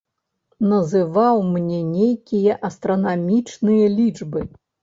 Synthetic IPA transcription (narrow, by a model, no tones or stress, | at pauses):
nɐzɨvawmnʲɛnʲejkʲijɐʔɐst̪ɾɐnamʲit͡ʂnɨjɐlʲit͡ʂbɨ